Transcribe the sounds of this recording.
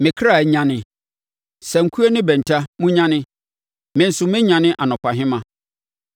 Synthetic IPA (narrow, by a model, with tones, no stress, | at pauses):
mɪ̃˨kʰɾa˦˨˦ɲã˦nɪ̃˨ | sɛ˨ŋ̩˨kʰu˦e˦nɪ̃˦bɛ̃˨n̩˨tʰa˦mũ˦ɲã˦nɪ̃˦ | mɪ̃˨n̩˨sʊ˨mɪ̃˦ɲã˨nɪ̃˦ʔa˨nʊ̃˨kʰʷa˨ɦɪ̃˦mã˨